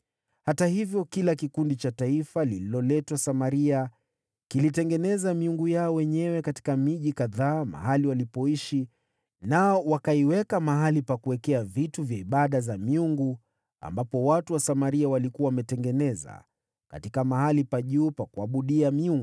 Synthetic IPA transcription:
hatahivjɔkilakikundit͡ʃataifalililɔlɛtwasamaɾia | kilitɛŋɡɛnɛzamiuŋɡujaɔwɛɲɛwɛkati̥kamiʄikaðaːma̰haliwalipɔiʃi | naɔwakaiwɛkamaɦalipakuwɛkɛavituvjaiɓaɗazamiuŋɡu | a̰mbapɔwatuwasamaɾiawalikuwawamɛtɛŋɡɛnɛza̰ | ka̰tikamahalipaʄuːpakuaɓuɗiamiuŋɡu

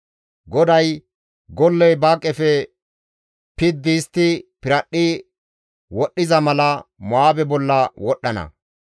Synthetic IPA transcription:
ɡɔd̪ɐj | ɡɔlːɛjbaːkʼːɛfɛ | pɪd̪ːɪːst̪ːɪpɪɾɐɗːɪ | wɔɗːɪzɐmɐlɐmɔaːbɛbɔlːɐwɔɗːɐnɐ̰

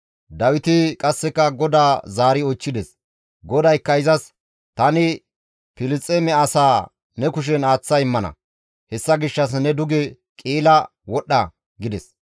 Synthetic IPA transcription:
d̪ɐwɪt̪ɪkʼɐsːɛkːɐɡɔd̪aːzaːɾɪɔt͡ʃːɪd̪ɛs | ɡɔd̪ɐjkːɐɪzɐs | t̪ɐnɪ | pɪlɪt͡sʼːemɛɐsaː | nɛkʊʃ̬ɛnaːt͡sːɐɪmːɐnɐ̰ | hɛsːɐɡɪʃːɐs̬nɛd̪ʊɡɛ | kʼiːlɐ | wɔɗɐ | ɡɪd̪ɛs

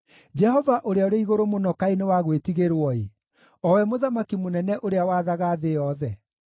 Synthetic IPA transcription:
d͡ʒɛhɔvaʔoɾeaoɾeaiɣoɾomonɔkaenewaɣwetiɣeɾwɔe | ɔwɛmoðamakimonɛnɛʔoɾeawaːðaɣaðejɔðɛ

